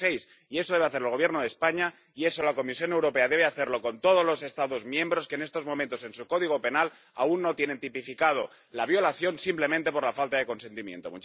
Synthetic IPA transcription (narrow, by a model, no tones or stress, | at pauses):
ejs | ie̞so̞ðeaθeɾelɣ̞oβjeɾnoð̞espaɲa | ie̞so̞lako̞misjo̞newɾo̞pe̞aðe̞β̞e̞aθe̞ɾlo̞ko̞nt̪o̞ð̞o̞zlose̞st̪aðo̞zmjẽ̞mbɾo̞skeːne̞st̪o̞zmomẽnt̪ose̞nsuko̞ðiɣ̞o̞pe̞nal | a̰unːot̪jene̞nt̪ipifikað̞o̞ | laβ̞jo̞laθjo̞nsimple̞mẽnt̪e̞po̞ɾlafalt̪aðe̞ko̞nse̞nt̪imjḛ̃nt̪o̞mu